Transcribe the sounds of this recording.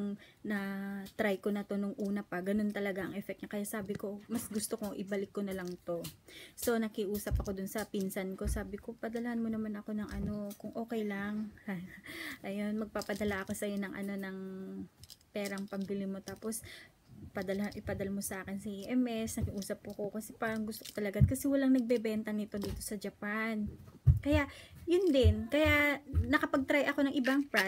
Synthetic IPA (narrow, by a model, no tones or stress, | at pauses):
ŋnɐt̪ɾajko̞nɐt̪o̞noŋʔuːnɐpɐɡɐno̞nt̪ɐlɐɡaʔɐŋʔɛfɛk̚t̪ɲakɐjasaːbɪko̞mɐsɡʊst̪okoŋʔɪbɐlɪkːo̞nɐlɐŋt̪o̞so̞nɐkɪʔuːsɐpɐko̞d̪ʊnsɐpinsɐnko̞saːbɪko̞pɐd̪ɐlɐhanmonɐmanɐko̞nɐŋʔɐno̞kʊŋʔo̞ːkɛjlɐŋ | ʔɐjo̞nmɐɡ̚papɐd̪ɐlaʔɐko̞sɐjonɐŋʔɐ̰no̞nɐŋ | pɛːɾɐŋpɐmbɪlimo̞t̪aːpo̞s | pɐd̪ɐlhaʔɪpɐd̪ɐlmo̞sɐʔaːkɪnsiʔɛmɛsnɐkɪʔuːsɐp̚ːʊɐkokɐsɛpaːɾɐŋɡʊst̪okot̪ɐlɐɡakɐsɛwɐlaŋnɐɡ̚bɛbɛnt̪ɐnɪt̪o̞d̪iːt̪o̞sɐd͡ʒɐpankɐjaʔjʊnd̪ɛnkɐjanɐkɐpɐɡ̚t̪ɾajʔɐko̞nɐŋʔɪbaŋpa